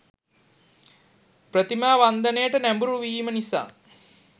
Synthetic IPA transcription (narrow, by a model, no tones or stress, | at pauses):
prət̪imaːʋand̪ənejəʈənæmbuɾuʋiːmənisa̰ː